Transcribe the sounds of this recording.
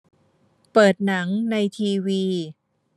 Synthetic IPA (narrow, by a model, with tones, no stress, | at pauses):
pɤː˨˩t̪̚na˩˦ŋna˧jt̪ʰiː˧wiː˧